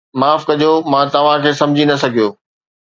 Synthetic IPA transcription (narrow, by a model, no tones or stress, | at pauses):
maːfkɐd͡ʑomãt̪ɐʋ̤ãkʰeːsɐ̃md͡ʑʱinɐsɐɡʱijoː